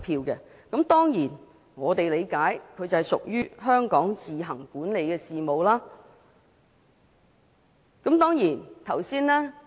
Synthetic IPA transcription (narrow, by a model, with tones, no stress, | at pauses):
pʰiː˧wkɛː˧ | kɐ˨˥mt̪ɔː˥ŋjiː˨˩n | ŋɔː˨˧t̪e˨jle˨˧jkaː˨˥jkʰɵ˨˧ɥt͡sɐ˨hɛ˨jsʊ̰˨k̚jyː˥ɦœː˥ŋkɔː˨˥ŋt͡siː˨ɦɐ˨˩ŋkuː˨˥nle˨˧jkɛː˧siː˨mo˨˧wlaː˥ | kɐ˨˥mt̪ɔː˥ŋjiː˨˩nt̪ʰɐ˨˩wsiː˥nlɛː˥